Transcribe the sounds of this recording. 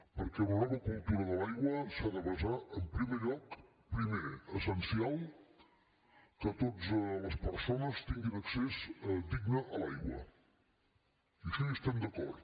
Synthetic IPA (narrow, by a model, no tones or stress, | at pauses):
pəɾkɛlənɔβəkulˠt̪uɾəðəlajɣwəsaðəβəzaʔəmpɾimeʎɔk | pɾimeəsənsialˠ | kət̪ot̪zləspəɾsonəst̪iŋɡinəksezd̪iɡnəʔəlajɣwə̰ | iəʃɔəst̪ɛmd̪əkɔ̰ɾt̪